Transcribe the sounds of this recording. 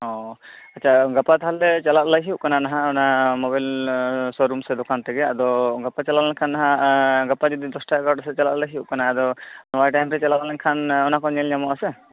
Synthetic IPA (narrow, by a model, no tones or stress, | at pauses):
ɦɔ | ɐtːt͡ʃʰaɡapːat̪ɦalːɛt͡ʃalat̪laɦiuʔkananaɦãɔnamɔbajlsɔɾumsɛd̪ɔkant̪ɛɡɛad̪ɔɡapːat͡ʃalalɛnkʰanːaɦãɡapːad͡ʒɔd̪id̪ɔsʈakaʈasɛt͡ʃalatlaɦiuʔkanaːd̪ɔnɔbajʈajmɾɛt͡ʃalalalɛnkʰanɔnakɔɲɛlɲamɔʔasɛ